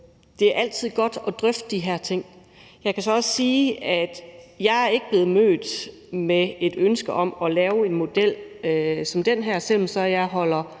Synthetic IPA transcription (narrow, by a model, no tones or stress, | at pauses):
d̥e̝æɐʔæl̰t͡sʰið̞̰ˠɡ̥ɒ̽d̥ɒ̽d̥ʁœfd̥d̥iɦæɐ̰t͡sʰe̝ŋ̰ | jɑɪkʰæsɒ̽ɒ̽ssiːæd̥jɑ̈ɪæɐe̝ɡ̥əb̥le̝ːð̩ˠmø̰ːd̥ | mee̝d̥ønsɡ̥əʔɒ̽mɒ̽lɛːʊe̝nmo̝d̥el̰sɒ̽md̥en̰ɦæɐ̰sel̰m̩sɒ̽jɑ̈ɪɦɒ̽l̰ɐ